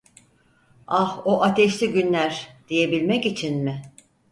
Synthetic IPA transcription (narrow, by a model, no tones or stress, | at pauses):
ahoʔat̪ʰɛʃlʲiɟynlʲæɾd̪̥ije̞bilʲmɛcit͡ʃʰinmɪ